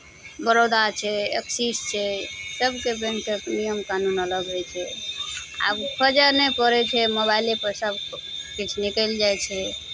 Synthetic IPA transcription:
bəɾod̪aɾt͡ʃʰɛḛksist͡ʃʰɛsəbkebɛ̃nʈəknijəmkanunələɡɦojt͡ʃʰɛ | a̰pʰəd͡ʒənɛpəɾɛt͡ʃʰɛmoβajlepəɾsəbkit͡ʃʰnikəld͡ʒajt͡ʃʰɛ

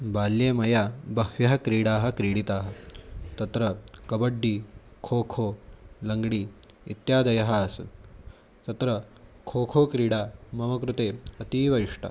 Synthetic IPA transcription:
baːljeːmɐjaːbɐɦʋjɐɦɐkɾiːɽaːɦɐ̆kɾiːɽit̪aːɦɐ̆t̪ɐt̪ɾɐkɐbɐɖːiːkʰoːkʰoːlɐŋɡɽiː | it̪jaːd̪ɐjɐɦɐːsṵn | t̪ɐt̪ɾɐkʰoːkʰoːkɾiːɽaːmɐʋɐkɾut̪eːɐt̪iːʋɐɾiʂʈa̰

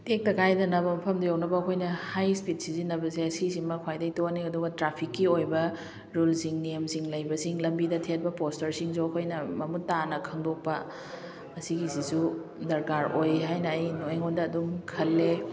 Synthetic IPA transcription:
tek̚tɐkʰajdɐnɐbɐmɐpʰɐmdujawnɐbɐːkʰojnɐhajspit̚sizinːɐbɐseɐsisimɐkʰajdɐjtoniɐduɡɐtɾapʰikːiojbɐ | ɾulsiŋniemsiŋlɐjbɐsiŋlɐmbidɐtʰet̚bɐpostɐɾsiŋzoɐkʰojnɐmɐmutːanɐkʰɐŋdok̚pɐ | ɐsiɡizisu | dɐɾkaɾojɦajnɐːjnoeŋondɐːdumkʰɐlːe

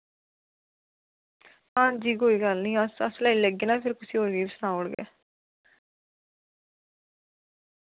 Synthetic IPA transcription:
ãːnd͡ʒiːɡoːiːɡəlnĩːəsə̰slaːiləɡeːnãːpʰɪɾkʊsiːoːɽɡiːɪsnãːoːɽɡɛ̰ː

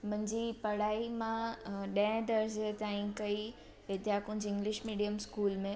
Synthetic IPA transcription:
mɐ̃ɦɲd͡ʑipɐɽ̤aːimãɗə̃ɪ̃d̪əɾset̪ãːĩkɐi | ʋɪd̪ʱjakʊ̃d͡ʑɪ̃ŋɡlɪʃmiːɖijəmskuːlmẽ

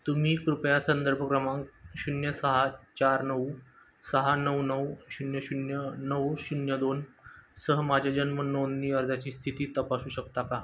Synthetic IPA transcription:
t̪umiːkɾupjasənd̪əɾbʱəkɾəmãŋkɕunjəsəɦat͡ɕaɾnəʋ | səɦanəwnəwɕunjəɕunjənəʋɕunjəd̪onsəɦmad͡ʑʱad͡ʑənmənonːiːəɾd̪ʱat͡ɕiːst̪ʰit̪iːt̪əpasuːɕəkt̪aka

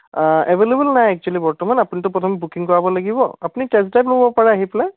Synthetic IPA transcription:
ɛbelebɛlnajɛk̚t͡ʃualibɔɹtɔmanapunitʊpɹɔtʰɔmɛbukiŋkɔɹabɔlaɡibɔapunitɛstajplobɔpaɹɛaɦiplɛ

